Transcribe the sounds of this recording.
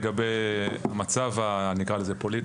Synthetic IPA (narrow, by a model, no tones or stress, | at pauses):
ɡabejamat͡savanikʁalezepo̞lit